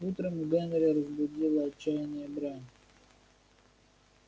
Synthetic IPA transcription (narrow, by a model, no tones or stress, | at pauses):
ut̪ɾəmɡanɾʲɪɾəzbʊdʲilˠəɐt͡ɕt͡ʃːajɪnʲɪjəbɾanʲ